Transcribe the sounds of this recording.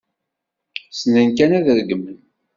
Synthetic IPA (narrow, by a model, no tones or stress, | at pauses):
sənənkænæðəðəɡəmːən